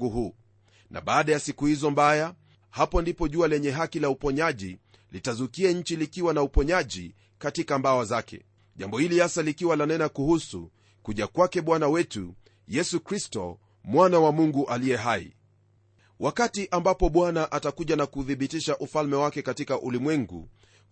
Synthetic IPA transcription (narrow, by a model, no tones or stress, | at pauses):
uɦuː | na̰ɓaːɗajasikuhizɔmbaja | hapɔndipɔʄualɛɲɛɦakilaupɔɲaʄḭ | litazukiaɲ̩t͡ʃilikiwanaupɔɲaʄi | katikambawazakɛ̰ | ʄambɔhilijasalikiwalanɛnakuhusṵ | kuʄakwakɛɓwanawɛtṵ | jɛsukɾistɔ̰ | mwanawamuŋɡuʔalijɛɦaḭ | wʔakatiʔambapɔɓwanaʔatakuʄanakuðiɓitiʃaʔufalmɛwakɛkatikaʔulimwɛŋɡṵ